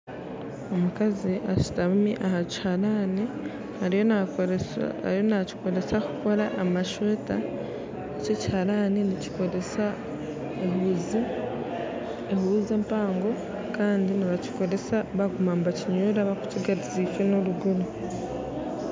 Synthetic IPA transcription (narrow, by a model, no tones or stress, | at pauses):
o̞mukaziʔaʃi̥taβumiʔahaci̥haɾaːni | haɾijo | a̰ɾjo̞naci̥ko̞ɾe̞sakuko̞ɾaʔːmaʃwe̞ːta | ececi̥haɾaːninici̥koɾesa | eɦuːzi | ehuːzeːmpaːŋɡo̞ | kaːndiniβaci̥ko̞ɾe̞saβaɡumambaciɲuːɾaβaku̥ciɡaɾiziːcwenoɾuɡuɾu